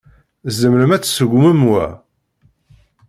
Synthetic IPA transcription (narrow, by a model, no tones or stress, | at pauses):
zəmɾəmæt͡sːsəɡʷməmwæ̰